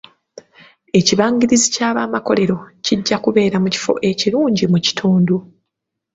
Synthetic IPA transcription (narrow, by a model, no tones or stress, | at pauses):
e̞ciβaːɲɟiɾizicaːβaːmako̞le̞ɾo̞ciɟːakuβe̞ːɾamuci̥fo̞̰ʔe̞ciɾuːɲɟimuci̥tʰuːndu